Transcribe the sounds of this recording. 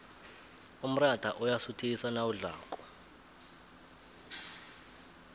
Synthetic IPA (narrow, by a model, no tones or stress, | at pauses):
um̩rad̥ʱaʔɔjasutʰiisanawuɮa̰ːkʼɔ̥